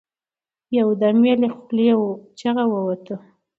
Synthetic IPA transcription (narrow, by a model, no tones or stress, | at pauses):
jawd̪amjalexʊljawt͡ʃaɣawəwat̪ə